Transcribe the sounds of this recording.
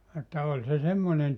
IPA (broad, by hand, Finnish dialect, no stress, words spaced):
etːæ olʲ se semːonen